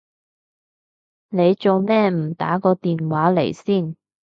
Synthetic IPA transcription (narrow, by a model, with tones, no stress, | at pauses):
ne˨˧jt͡so˨wmɛː˥m̩˨˩t̪a̰ː˨˥kɔː˧t̪iː˨nwaː˨˥le˨˩jsiː˥˩n